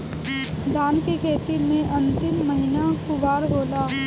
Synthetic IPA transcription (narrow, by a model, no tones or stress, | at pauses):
d̪ʱaːnkekʰeːt̪imẽʔɐ̃nt̪ɪmːəɦɪnakʊbaːɾɦoːlaː